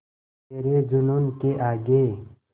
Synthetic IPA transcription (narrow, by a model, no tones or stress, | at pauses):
eːɾeːd͡ʒunuːnkeʔaːɡeː